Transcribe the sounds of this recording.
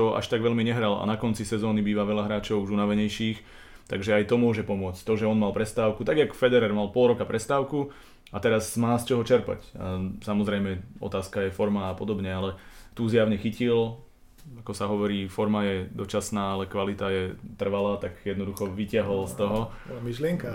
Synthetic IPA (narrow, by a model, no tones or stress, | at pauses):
t̪ɔʔa̰ʃt̪aɡʋɛʎmiɲɛɦɾala̰nakɔnt͡sisɛzɔːnibiːʋaʋɛʎaɦɾaːt͡ʃɔʊuʒunaʋɛɲɛjʃiːx | t̪aɡʒɛajt̪ɔmʊɔʒɛpɔmʊɔt͡sct̪ɔʒɛɔnmalpɾɛst̪aːʊkut̪aɡjakfɛd̪ɛɾɛɾmalpɔlɾɔkapɾʔɛst̪aːʊku | at̪ɛɾazmaːst͡ʃɔɦɔt͡ʃɛɾpa̰casamɔzɾɛjmɛɔ̰t̪aːskajɛfɔɾmaːpɔd̪ɔbɲɛalɛt̪uːzjaʊɲɛxicil | akɔsaɦɔʋɔɾiːfɔɾmajɛd̪ɔt͡ʃasnaːalɛkʋalit̪ajɛt̪r̩ʋalaːt̪aɡjɛd̪nɔd̪uxɔʋicɪaɦɔlst̪ɔɦɔmiʃlɪɛŋka